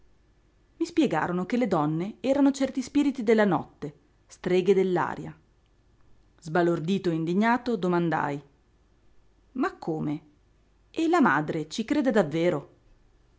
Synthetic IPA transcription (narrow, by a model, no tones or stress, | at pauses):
mispjɛɡa̰ːɾonokelːed̪ɔnːeɛːɾanot͡ʃɛrt̪ispiːɾit̪id̪elːanɔ̰t̪ːe | st̪ɾeːɡed̪elːa̰ːɾja̰ | zbalord̪iːt̪oeind̪iɲːaːt̪od̪omand̪a̰j | makʰːoːme | elama̰ːd̪ɾet͡ʃikɾeːd̪ed̪avːeːɾo